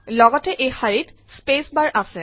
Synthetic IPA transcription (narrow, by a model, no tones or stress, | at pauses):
lɔɡɔteʔejxaɹit | spesbaɹʔasɛ